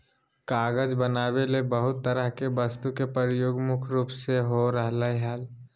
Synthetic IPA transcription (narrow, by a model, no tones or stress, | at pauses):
kaːɡəd͡ʒbənaːbelebəɦʊt̪ːəɾəɦkebəst̪ukepəɾjoːɡmʊkʰɾuːpseɦoɾəɦlaɦaːl